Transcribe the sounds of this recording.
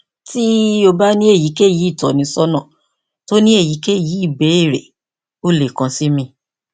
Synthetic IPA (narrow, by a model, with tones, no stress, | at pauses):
ti˦o˧ba˦nĩ˦e˦˨ji˨˦ke˦˨ji˨˦i˦˨tɔ˨nĩ˨˧˦sɔ˦nã˦˨ | to˦nĩ˦e˦˨ji˨˦ke˦˨ji˨˦i˦˨bɛ˨˦i˦˨ɾe˨ | o˦˨le˨kã˨si˦mĩ˧